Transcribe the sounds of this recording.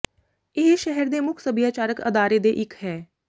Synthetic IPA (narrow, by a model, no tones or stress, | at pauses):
ɪɦʃɛɦəɾd̪eːmʊkʰsəbijaːt͡ʃaːɾəkə̰d̪aːɾeːd̪eːʔɪkɦɛː